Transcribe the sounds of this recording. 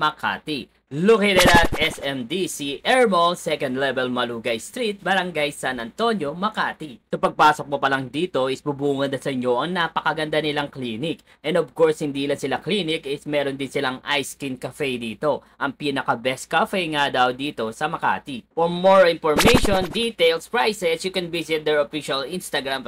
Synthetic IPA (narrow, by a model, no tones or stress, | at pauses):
mɐkʰa̰ːt̪i | lʊkɪɾɪnɐt̪̚ɛsɛmd̪isiʔɛɹbolsɛkɐ̃nd̪lɛvɛlmɐluːɡɐjst̪ɾit̪̚bɐɾɐŋɡajsanɐnt̪o̞njo̞mɐkaːt̪isɐpɐɡ̚paːsok̚mopɐlɐŋd̪iːt̪o̞ʔɪsbubuːŋɐnːɐsɐɪɲjo̞ʔɐŋnaːpɐkɐɡɐnd̪anɪlaŋkliːnɪk | ʔɛ̃nd̪obkoɹshɪnd̪iːlɐsɪlaklinɪkɪsmɛːɾond̪ɪnsɪlaŋʔajskinkɐfɛjd̪iːt̪o̞ʔɐŋpiːnɐkɐbɛskɐfɛjŋad̪ɐwd̪iːt̪o̞sɐmɐka̰ːt̪ifoɹmoɹɪnfoɹmejʃond̪it̪ejlspɹajsɛsjukɛnvisɪt̪̚d̪ɛɹofiʃɐlinst̪ɐɡɾam